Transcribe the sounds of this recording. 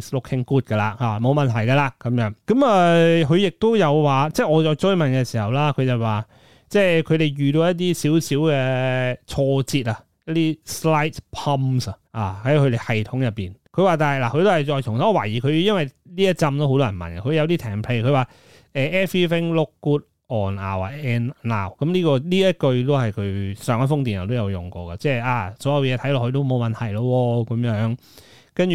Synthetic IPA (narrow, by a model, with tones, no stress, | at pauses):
slʊ˥kʰhɪ˥ŋkuː˥t̚kɐ˧la̰ː˨˩haː˨˩mo˨˧wmɐ˨nt̪ʰɐ˨˩jkɐ˧laː˧kɐ˨˦mjœː˨˥ŋkɐ˨˥mɐː˨kʰɵ˨˧ɥjɪ˨k̚t̪o˥wjɐ˨˧wwaː˨t͡sɛː˥˩ɔː˨˧t͡sɔː˧jt͡sɵ˥ɥmɐ˨nkɛ˧siː˨˩hɐ˨wlaː˥kʰɵ˨˧ɥt͡sɐ˨waː˨ | t͡sɛː˥kʰɵ˨˧ɥɾe˨jjyː˨t̪o˧wjɐ˥t̚t̪̬iː˥siː˨˥wsiː˨˥wkɛ˧t͡ʃʰɔː˧t͡siː˧t̚ɐ˧ | jɐ˥t̚t̪iː˥sla˥jt̚pʰɐ˥msɐ˧aː˨˩hɐ˨˥jkʰɵ˧ɾe˨˩hɐ˨jt̪ʰʊ˨˥ŋjɐ˨pːḭː˨˩nkʰɵ˨˧ɥwaː˨˧t̪aː˨˩hɐ˨jlaː˨kʰɵ˨˧ɥt̪o˥hɐ˨˩jt͡sɔː˧jt͡sʰʊ˨˩ŋt̪ʰa˨˥˨waː˨˩jiː˨kʰɵ˨˧ɥjɐ˥nwɐ˨jliː˥jɐ˥t̚t͡sɐ˧mt̪o˥wɦo˧wt̪ɔː˥jɐ˨˩mɐ̰˨˩nɡɐ˧kʰɵ˨˧jɐ˨˧wt̪̬iː˥t̪ʰɛː˨˩ŋpʰle˧kʰɵ˨˧ɥwaː˨˩ | ɛː˨˩ʔɛː˥fiː˥fɪ˥ŋlʊ˥kːuː˥t̚ | ʔɔː˨˩na̰ː˨˩waː˨˩ɛː˧˥nna̰ː˨˩wkɐ˨˦mliː˥kɔː˧liː˥jɐ˥t̚kɵ˧ɥt̪o˥whɐ˨jkʰɵ˨˧ɥsœː˨˧ŋɐ˥fʊ˥ŋt̪i˨njɐ˨˩t̪̬wjɐ˨˧wjʊ˨˩ŋkɔː˧kɐ˧t͡sɛː˥˧˩aː˨˩sɔː˨˥jɐ˨˧wjɛː˨˧t̪ʰɐ˨˥jlɔː˨˩kʰːt̪o˥wmo˨˧wmɐ˨nt̪ʰɐ˨˩jlɔ˧wɔː˧kɐ˨˦mjœː˨˧˥ŋ | kɐ˥nt͡ʃy˨